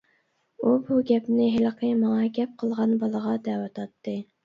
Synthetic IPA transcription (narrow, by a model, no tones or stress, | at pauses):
ubuɡʲɛpnɪɦɪlqʰəmɑŋɑɡʲɛp̚qʰəlˠʁɑnbɑlˠəʁɑd̪ɛːwɑt̪ʰɑt̪ːɨ